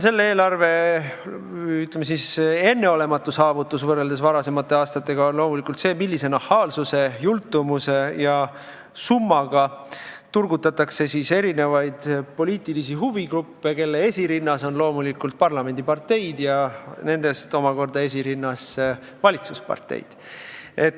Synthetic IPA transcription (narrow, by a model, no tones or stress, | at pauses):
se̞lːe̞e̞ːlɑrve̞ | yt̪lemesise̞nːe̞o̞le̞mɑt̪ːˑusɑːvut̪ːˑusvɤrːe̞ld̪esvɑɾɑse̞mɑt̪ːˑe̞ɑːst̪ɑt̪ːe̞ɡ̥ɑonlo̞ːmulikˑult̪se̞ːmilːise̞nɑhːɑːlsuse̞jult̪ːˑumuse̞jɑ | sumːɑɡ̥ɑt̪urɡut̪ːˑɑt̪ːˑɑkse̞sise̞ɾine̞vɑjd̪̥po̞liːt̪ːˑilisiɦuviɡrupːeke̞lːee̞sʲiɾinːɑso̞nlo̞ːmulikult̪̚pɑrlɑme̞nd̪̥ipɑrt̪ːe̞jd̪̥jɑne̞nd̪e̞st̪o̞mɑko̞rd̪̥ɑe̞s̬ʲiɾinːɑse | vɑlʲit̪suspɑ̰rt̪ːˑḛjd̪̥ | e̞t̪ː